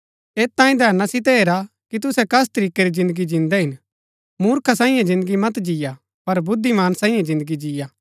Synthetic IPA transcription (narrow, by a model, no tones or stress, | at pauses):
eːt̪ãːĩd̪ʱɛːɾnasɪt̪̬ɛɦeːɾa | kit̪̬ʊsɛkɐs̬t̪ɐɾiːkeɾizɪ̃nd̪əɡid͡ʒɪ̃nd̪ɛɦɪn | muːɾkʰasãːĩjãd͡ʒɪ̃nd̪əɡimɐt̪̬d͡ʒija | pɐɾbʊd̪ʱːimaːnsãːĩjãd͡ʒɪ̃nd̪əɡid͡ʒijaː